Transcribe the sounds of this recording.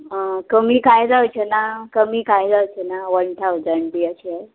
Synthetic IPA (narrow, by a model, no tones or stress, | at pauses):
əkəmiːkajd͡zawt͡ɕʰenakəmiːkajd͡zawt͡ɕʰenaʋəɳt̪ʰawd͡zəɳɖbiət͡ɕiɛ